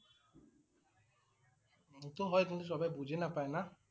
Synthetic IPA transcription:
t̪oɦɔjt̪ũnt̪es̬ɔbajbud͡ʒʱenapaena

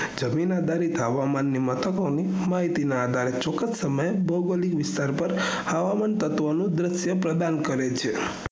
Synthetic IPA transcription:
d͡ʒəminad̪ʱaɾit̪ɦəʋamanːimət̪ʰəkoni | maɦit̪inaːd̪ʱaɾet͡ʃɔkəssəməjbəɡəlikʋɪst̪aɾpəɾ | həʋamant̪ət̪ʋonũd̪ɾɪsjəpɾəd̪ankəɾet͡ʃʰe

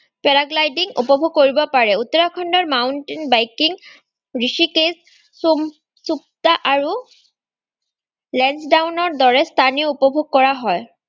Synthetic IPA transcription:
pɛɹaɡlajdiŋupɔbʱuɡ̚koɹibɔpaɹɛutɔɹakʰɔndɔɹmawntinbajkiŋ | ɹisikes | sup̚taʔaɹu | lɛnsdawnɔɹdɔɹɛstʰanioupɔbʱoɡ̚kɔɹaɦɔj

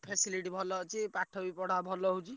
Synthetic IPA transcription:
pʰesiliʈibʱɔlɔt͡ʃipaʈʰːɔbipɔɽ̤abʱɔlɔɦud͡ʒi

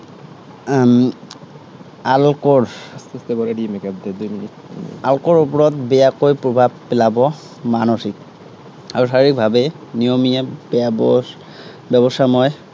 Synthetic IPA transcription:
m | alkɔɹsbɔedimɛkab̚d̪ɛd̪ujminita̰lkɔɹup̬ɔɹɔtbɛjakojpɹobʱab̚pɛlabɔ | manosik̚ | aɹɔsaɹiɹik̚bʱabɛnijomijabb | bɛbɔsamɔj

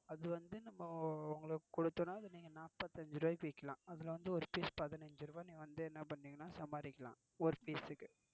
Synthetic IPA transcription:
ɐðɯʋɐnd̪ɯnɐmːɐʊŋɡɐɭɯkːkɔɽɯt̪ːonːaːɐðɯniːŋɡɐnaːpːɐt̪ːɐɲd͡ʒɾɯʋaːjkʋikːɐlãːɐðɪlɐʋɐnd̪ɯɔɾɯpiːspɐðɐnɐɲd͡ʒɯɾɯʋaːnĩːŋɡɐʋɐnd̪ɯɛnːɐpɐɳːiːŋɡɐnaːsɐmaːɾɪkːɐlã̰ː | ɔɾɯpiːsɯkːɯ

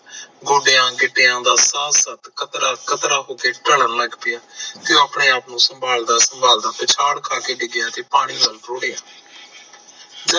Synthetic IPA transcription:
ɡoːɖeːãːɡɪʈːeːãːd̪aːsaːsət̪kət̪ɾakʰət̪ɾaːɦoːkeːʈələɾləɡpɪjaːt̪eõaːpɳeːaːpnũːsəmbaːld̪aːsəmbaːld̪aːt̪et͡ʃʰaːɽkʰaːkeːɖɪɡɪjaːt̪eːpaːɽ̃iːʋəːlʈoːɽejaː | d͡ʒə

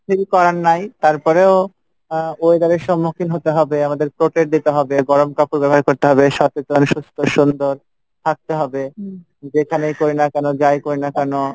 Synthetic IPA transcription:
pʰilkɔɾanːajt̪aɾpɔɾeo | oed̪aɾeɾʃɔmːokʰinɦot̪eɦɔbeamad̪eɾpɾoʈeʈ̚d̪it̪eɦɔbeɡɔɾomkapuɾbɛboɦaɾkoɾt̪eɦɔbeʃɔtet̪onʃust̪ʰoʃund̪oɾ | t̪ʰak̚t̪eɦɔbe | d͡ʑekʰanejkoɾinakɛnod͡ʑajkoɾinakɛno

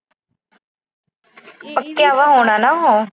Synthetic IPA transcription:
pəkːjaːʋaːɦoːɽ̃aːnaːɦoː

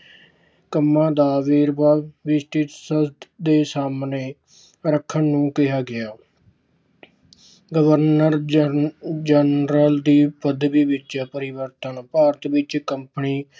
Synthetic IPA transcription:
kəmːãːd̪aːʋeːɾbaːʋɪsʈit̪səsd̪d̪eːsaːmneː | ɾəkʰːənːũːkɪɦaːɡɪaː | ɡəʋəɾnəɾ | d͡ʒənɾəld̪iːpəd̪biːbɪt͡ʃaːpəɾɪʋəɾt̪ənpaːɾət̪ʋɪt͡ʃkəmpniː

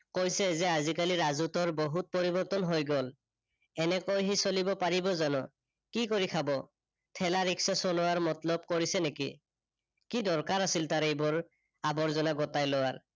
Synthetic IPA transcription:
kojsɛzɛazikaliɹazutɔɹboɦut̚poɹibɔɹtɔnɦojɡɔl | ɛnɛkojɦisolibɔpaɹibɔzanɔ̰ | kikoɹikʰabɔ | tʰɛlaɹiksɔsɔnɔwaɹmɔtlɔb̚koɹisɛnekḭ | kidɔɹkaɹasiltaɹejbɔɹ | abɔɹzɔnaɡɔtajlɔwaɹ

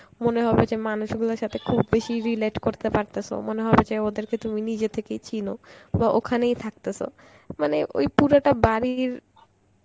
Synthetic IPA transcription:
moneɦɔbed͡ʑemanuʃɡulaɾʃat̪ʰekʰubːeʃiɾileʈkoɾt̪epaɾt̪esʰo̰moneɦɔbed͡ʑeod̪eɾket̪uminid͡ʑet̪ʰekejt͡ɕinobaʔo̰kʰanejt̪ʰak̚t̪esʰo̰ | maneʔo̰jpuɾaʈabaɾiɾ

